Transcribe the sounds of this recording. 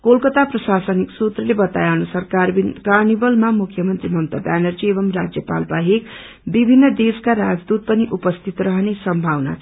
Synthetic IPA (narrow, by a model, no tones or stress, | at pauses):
kolkʌt̪aprʌsasʌniksut̪rʌlebʌt̪a̰jawnusʌrkarinkarnibʌlmamukʰjʌmʌnt̪rimʌmt̪abanʌrd͡ziebʌmrad͡zjʌpa̰lbaɦek | bibʱinːʌd̪eskaɾad͡zd̪ud̪̚pʌniʔupʌst̪ʰit̪rʌɦnesʌmbʱawna̰